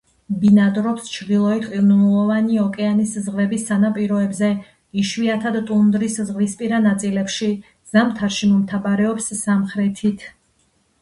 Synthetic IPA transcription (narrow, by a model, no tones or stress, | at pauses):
binad̪ɾɔpst͡ʃʰɾd̪ilˠɔit̪ʰqʼiɾnunulˠɔvaniɔkʼɛaniszʁvɛbisːanapʼiɾɔɛbzɛ | iʃwiat̪ʰad̪t̪ʼund̪ɾiszʁlispʼiɾanat̪sʼilɛpʃi | z̥amt̪ʰaɾʃimɔmt̪ʰabaɾɛɔpsːamχɾɛt̪ʰit̪ʰ